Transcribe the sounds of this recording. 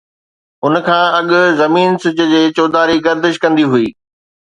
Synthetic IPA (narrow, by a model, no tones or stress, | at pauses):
ʊnkʰãːɐɠʊ̆zɐmiːnsʊd͡ʑʊ̆d͡ʑeːt͡ɕoːd̪aːɾiɡɐɾd̪ɪʃkɐ̃nd̪iɦʊiː